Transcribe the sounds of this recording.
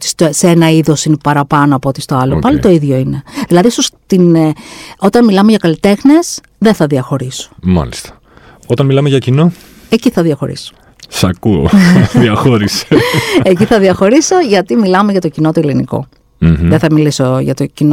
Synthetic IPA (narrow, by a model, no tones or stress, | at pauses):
t̪i̥st̪oseenɐiðo̞sinepɐɾɐpɐnoɐpoot̪ist̪o̞ɐlopɐlit̪o̞iðʝo̞ine̞ðilɐðisost̪in | o̞t̪ɐnmilɐmeʝɐkɐlit̪e̞xne̞s | ðeθɐðiɐxo̞ɾiso̥mɐ̰list̪ɐ̥ | ot̪ɐnmilɐmeʝɐcino̞ | eciθɐðiɐxo̞̰ɾḭso̥ | sɐkuo̰ðiɐxoɾise̥eciθɐðiɐxo̞ɾiso̞ʝɐt̪imilɐmeʝɐt̪o̞cino̞t̪ueliniko̞̰ | ðeθɐmilisoʝɐ̰t̪ocino